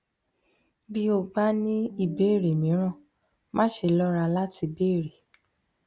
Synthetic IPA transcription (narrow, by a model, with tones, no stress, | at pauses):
bi˦o˧˨ɡ͡ba˦nĩ˦i˦˨be˦˨ɾe˨mĩ˨˦ɾ̃ã˦˨ | mã˦ʃe˧˨lɔ˦ɾa˧la˦tʰi˧be˦˨ɾe˨